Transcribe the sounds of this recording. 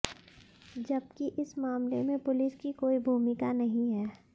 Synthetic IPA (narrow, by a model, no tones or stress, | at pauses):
d͡ʒɐbkiʔɪsmaːmlemẽpʊlɪskikoːibʱuːmɪkanɐɦĩɦɛː